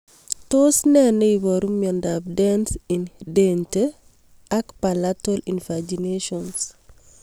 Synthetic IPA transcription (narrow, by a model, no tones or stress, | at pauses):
tosnɛnəjbɔɾumjɔndab̚dɛnsindente | akpalatolinfad͡ʒineʃɔns